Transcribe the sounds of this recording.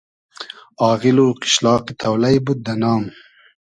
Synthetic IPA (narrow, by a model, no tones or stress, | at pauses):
ɑːʁiluːqɪ̥ʃlɑːqit̪ʰɐwlɐjbud̪̚d̪ɐnɑːm